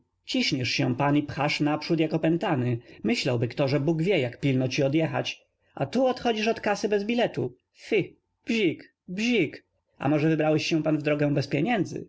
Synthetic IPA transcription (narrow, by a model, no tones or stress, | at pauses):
t͡ɕiɕɲɛʂɕɛ̃panipxaʂnapʂut̪jakɔpɛnt̪anɘmɘɕlawbɘkt̪ɔʐɛbuɡvʲjɛjakpʲilnɔt͡ɕiɔd̪jɛxa̰t͡ɕ | a̰t̪uɔt̪xɔd͡ʑiʂɔt̪kasɘbɛzbʲilɛt̪u | fi | bʑik | bʑik | a̰mɔʐɛvɘbɾawɛɕɕɛ̃panvd̪ɾɔɡɛw̃bɛspʲjeɲɛnd̪zɘ̰